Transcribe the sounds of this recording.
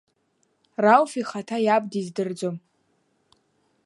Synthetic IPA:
rawfiχatʰajab̚dizdɨrd͡zom

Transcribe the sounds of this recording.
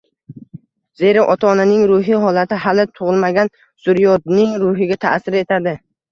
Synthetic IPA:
ze̞ɾaʔɒt̪ʰaːnanɪŋɾʊɦɪɦɒlat̪ʰɪɦalɪt̪ʰʊʁɨlˠmaɡʲan | sʊɾjɒd̪nɪŋɾʊɦɪɡʲat̪ʰa̰sɪɾe̞t̪ʰad̪ɪ

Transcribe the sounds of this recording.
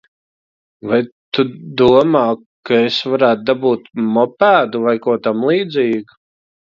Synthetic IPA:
vajt̪ud̪uɔmaː | kaesvaɾæːt̪̚d̪abuːt̪mɔpæːd̪uvajkuɔt̪amlˠiːd̪zʲiːɡ

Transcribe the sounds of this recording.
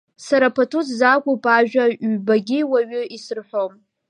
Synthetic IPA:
saɾapʰatʰuzzakʷʼupʼaʒᶣaɥbaɡʲɪwaɥʏisɨrħʷo̞m

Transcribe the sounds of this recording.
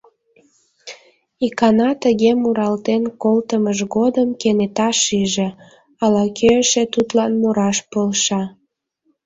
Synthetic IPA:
ikɑnɑt̪əɣemuɾɑlt̪enkolt̪əməʒɣod̪əmkenet̪ɑʃiʒe | ɑlɑkʰøəʃet̪ut̪lɑnmoɾɑʃpolʃɑ

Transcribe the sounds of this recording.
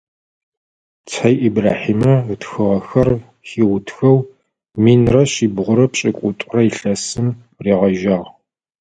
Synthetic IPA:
t͡sʰɐjʔibraːħiːmɐtxɨʁɐxɐr | xiwʊtʰxɐw | miːnrɐɕiːbʁʷʊɾɐpɕʼɪkʷʼʊtʼʊrɐiɬɐsɨm | riːʁɐʒɐʁ

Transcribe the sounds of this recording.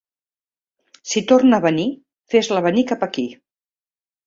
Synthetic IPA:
sit̪ornəːβəni | fezləβənikapəki

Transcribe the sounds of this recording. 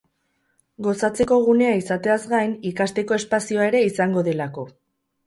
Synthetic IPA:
ɡo̞sat͡se̞ko̞ɣ̞une̞aisat̪e̞azɡajnikast̪e̞ko̞e̞spasio̞ae̞ɾe̞isaŋɡo̞ðe̞lako̞

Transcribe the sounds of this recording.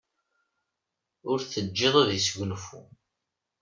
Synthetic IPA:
ʊɾθəd͡ʒːeðˤaðisʝʷʊnfṵ

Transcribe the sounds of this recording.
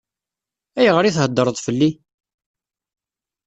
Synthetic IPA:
æjəʁəɾiθhəd̪ːəɾˤðˤfəlːi

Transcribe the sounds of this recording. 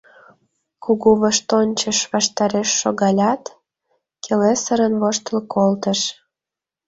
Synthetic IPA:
kuɣuβəʃt̪onʲt͡ɕəʃβɑʃt̪ɑɾeʃːoɣɑlʲɑt̪ | kelesəɾənβoʃt̪əlkʰolt̪əʃ

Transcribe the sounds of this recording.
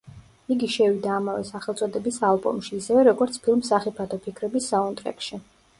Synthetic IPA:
iɡiʃɛvid̪aːmavɛsaχɛlˠt̪sʼɔd̪ɛbisalˠbɔ̰mʃiːsɛvɛɾɔɡɔɾt̪sʰpʰilˠmsaχipʰat̪ʰɔpʰikʰɾɛbisːaɔnt̪ʼɾɛ̰kʃi

